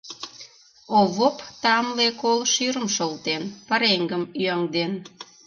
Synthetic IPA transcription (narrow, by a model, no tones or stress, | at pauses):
oβopt̪ɑmlekolʃyɾəmʃolt̪enpɑɾeŋɡəmyɑŋd̪en